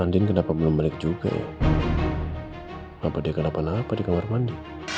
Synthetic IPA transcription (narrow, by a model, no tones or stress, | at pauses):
andɪnkənapabəlʊmːalɪk̚d͡ʒuɡa̰ja̰ | apadiakənapanapadikamarmandi